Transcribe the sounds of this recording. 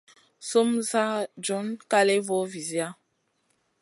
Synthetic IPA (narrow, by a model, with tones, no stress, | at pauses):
so˦msa˦d͡ʒɔ˦nka˦lɛ˦vɔ˦vi˨zja˦